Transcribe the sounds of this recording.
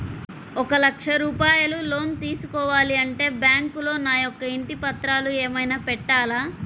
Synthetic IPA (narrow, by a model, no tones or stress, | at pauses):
ɔkɐlɐkʂɐɾuːpaːjɐlulo̞ːnt̪iːsukɔːʋaːliɐɳʈe̞ːbjaːŋkulo̞ːnaːjɔkːɐiɳʈipɐt̪ɾaːlueːmɐjnaːpɛʈːaːlaː